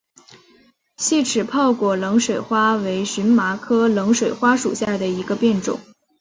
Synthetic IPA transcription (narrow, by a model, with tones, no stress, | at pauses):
ɕi˥˩ʈ͡ʂʰɻ̩˨˩pʰɑ˥˧ʊkwɔ˨˩lɤ˧˥ŋʂwe˨˩ɪxwa˥we˧˥ɪɕy˧˥nma˧˥kʰɤ˥lɤ˧˥ŋʂwe˨˩ɪxwa˥ʂṵ˨˩ɕja˥˩d̪ə˩i˧˥ɡə˧pjɛ˥˩nʈ͡ʂʊ̰˨˩˦ŋ